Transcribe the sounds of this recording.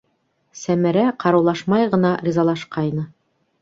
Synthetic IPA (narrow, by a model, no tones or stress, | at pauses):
sæmæɾæqɑɾɤwlˠɑʃmɑjʁɤ̆nɑɾʲizɑlˠɑʃqɑjnɤ